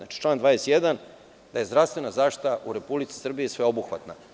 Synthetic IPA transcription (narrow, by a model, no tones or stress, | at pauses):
nat͡ʃi̥t͡ʃlˠaːnd̪ʋaːjesjed̪an | d̪aje̞zd̪ɾavst̪ʋe̞nazaːʃt̪i̥t̪aʔuɾe̞publit̪si̥sr̩bijisʋe̞o̞buxʋa̰t̪na